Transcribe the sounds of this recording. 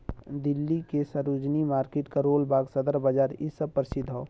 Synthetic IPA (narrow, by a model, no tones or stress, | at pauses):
d̪ɪlːikesəɾud͡ʒnimaːɾkeʈkaɾoːlbaːɡsəd̪əɾbəd͡ʒaːɾɪsəb̚pəɾɪsɪd̪ʱːɔː